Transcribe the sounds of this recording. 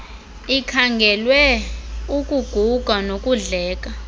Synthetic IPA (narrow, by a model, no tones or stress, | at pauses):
ikʰaŋɡʱɛlwɛukʼuɡ̥ʱuɡ̥ʱanokʼuɮɛːk̬ʼa